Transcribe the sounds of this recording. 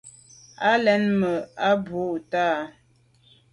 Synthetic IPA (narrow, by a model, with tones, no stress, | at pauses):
a˦lɛ˦nmə˨a˦bo˦˨ʔtaː˦˨